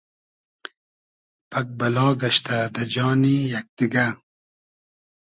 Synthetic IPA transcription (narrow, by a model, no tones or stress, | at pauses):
pʰak̚balɑːɡaʃt̪ad̪ad͡ʒɑːnijak̚d̪̥iɡa